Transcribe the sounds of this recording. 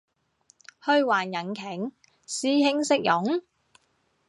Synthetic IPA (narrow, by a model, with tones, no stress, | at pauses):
hɵ˧ɥwaː˨˩njɐ˨˩nkʰɛ˨˥ŋ | siː˥hɪ˥ŋsɪ˥k̚jʊ˨˥ŋ